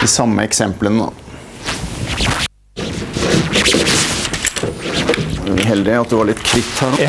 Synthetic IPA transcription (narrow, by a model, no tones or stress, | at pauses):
iːsɑmːə̰ɛksɛmplənə̰ | ɦɛld̪ɪɑt̪̚d̪ɛʋɑɾɭɪt̪kʰɾɪkt̪hæɾ